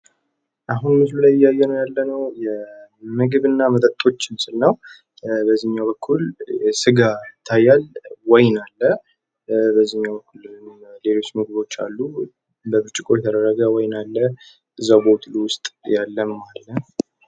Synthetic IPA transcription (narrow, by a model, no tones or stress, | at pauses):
ʔaɦunmɨslulajɪjːajːɛnəjalːənəwjɛmɨɡɨβɨnːamət̪ʼət̪ʼo̞t͡ʃːɪmsɨlnəw | bəzːiɨɲːaβəkʰːulsɨɡat̪ʰajalwɔjnalːə | bəzːihɲːabəkːulle̞lo̞t͡ʃːmɨɡ̚bo̞t͡ʃːa̰lːu | bəbɨɾt͡ʃʼɪkʼo̞jɛt̪ʰəd̪əɾːəɡəwɔjnalːə | ʔɨzːawbowt̪ʰluwʊst̪ʼjalːəmmallːən